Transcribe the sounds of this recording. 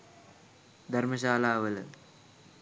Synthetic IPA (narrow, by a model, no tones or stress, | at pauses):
d̪ʱɐrmɐɕaːlaːʋɐl